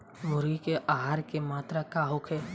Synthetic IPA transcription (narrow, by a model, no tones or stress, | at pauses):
mʊɾikeʔaːɦaːɾkemaːt̪ɾakaːɦʊkʰeː